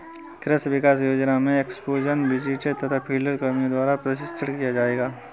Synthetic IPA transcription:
kɾəsʋɪkaːs̬joːd͡ʒnamẽeksploːd͡ʒənbɪd͡ʒit͡ʃet̪ɐt̪ʰapʰiːləɾkɐmĩd̪waːɾapɾɐs̬ɪsʈəɽkijad͡ʒaːeːɡaː

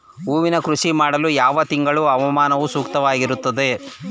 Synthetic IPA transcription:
uːʋinɐkɾuʂimaːɽɐlujaːʋɐt̪iŋɡɐɭuɐʋɐmaːnɐʋusuːkt̪ɐʋaːɡiɾut̪ːɐd̪e̞

